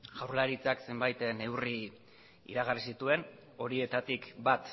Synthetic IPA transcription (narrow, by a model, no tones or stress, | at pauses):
ɡawɾlaɾit͡sakse̞mbajt̪ne̞wri | ḭɾaɣ̞arisit̪ue̞n | o̞ɾie̞t̪at̪ikbat̪